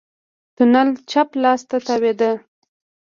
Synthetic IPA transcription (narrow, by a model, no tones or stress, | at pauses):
t̪unalt͡ʃaplɑst̪at̪awed̪ə